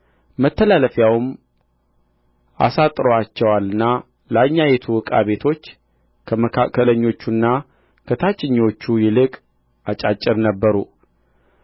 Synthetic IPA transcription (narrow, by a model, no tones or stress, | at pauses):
mət̪ʰːəlaləfjawɨm | ʔa̰sat̪ʼɾowat͡ʃːɛwalɨnːa | laɲːajet̪ʰuwɨkʼa̰βe̞t̪ʰo̞t͡ʃː | kʰəməkʰakːələɲːo̞t͡ʃːunːa | kʰət̪ʰat͡ʃʼːɪɲːo̞t͡ʃːujɪlɨkʼ | at͡ʃʼat͡ʃʼːɪɾnəbːəɾu